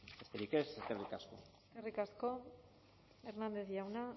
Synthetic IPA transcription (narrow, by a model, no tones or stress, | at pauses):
best̪eɾikeseskerikasko̞̰ | skerikasko̞ | eɾnand̪e̞θjawna